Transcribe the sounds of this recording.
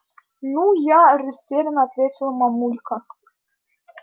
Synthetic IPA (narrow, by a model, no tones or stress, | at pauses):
nujarʲɘsʲeɾʲɘ̆nat̪vʲetʲɪlʲˠəmɑmulʲkə